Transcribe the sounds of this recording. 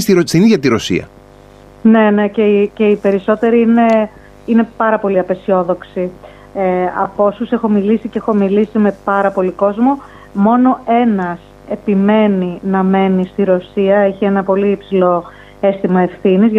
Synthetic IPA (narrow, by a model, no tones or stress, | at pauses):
st̪iɾosiniʝɐt̪iɾosḭɐ̰ | ne̞ne̞ceice̞ipe̞ɾiso̞t̪e̞ɾiine̞ | ine̞pɐɾɐpo̞liɐpe̞sio̞ðo̞ksi | eɐ̰po̞suse̞xo̞milisiceexo̞milisime̞pɐɾɐpo̞liko̞zmo̞ | mo̞no̞e̞nɐs | e̞pime̞ninɐme̞nist̪iɾo̞siɐeçie̞nɐpo̞liipsilo̞ | e̞st̪imɐe̞fθinizʝ